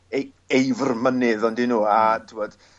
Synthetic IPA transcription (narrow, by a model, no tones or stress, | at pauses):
ej | ejvrmənɨðɔndinuːatʰɪmɔd̥